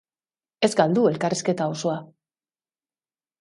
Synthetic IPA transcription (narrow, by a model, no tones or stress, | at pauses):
e̞zɡald̪ue̞lkariske̞t̪ao̞so̞a